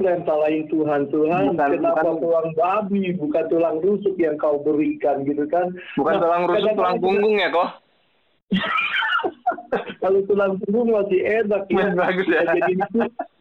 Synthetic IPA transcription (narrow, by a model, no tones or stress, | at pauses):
lansalaɪnt̪uɦant̪uɦankənapat̪ulaŋbabibukant̪ulaŋrusʊk̚jaŋkaubəɾikanɡit̪ukanbukaat̪ulaŋɾusaat̪ulaŋkuŋɡʊŋjakɔh | kalot̪ulaŋkuŋɡʊŋmasienak̚iaɡt̪ad͡ʒainik̪u